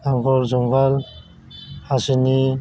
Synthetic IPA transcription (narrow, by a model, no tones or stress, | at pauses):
aŋkɔlzɔŋɡal | hasini